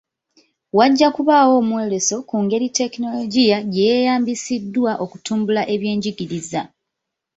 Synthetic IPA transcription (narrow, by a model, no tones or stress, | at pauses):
waɟːakuβaːwo̞ːmwe̞ːle̞so̞kuŋɡe̞ɾite̞kino̞loɟijaɟejejaːmbisidːwaʔo̞ku̥tuːmbulaʔe̞βje̞ːɲɟiɡiɾiza